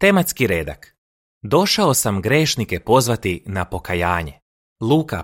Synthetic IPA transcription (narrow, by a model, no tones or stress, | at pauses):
t̪e̞mat̪skiɾeːd̪a̰k | d̪o̞ʃaosamɡɾe̞ːʃnike̞po̞zʋat̪inapo̞kajaːɲḛ | lˠuːka̰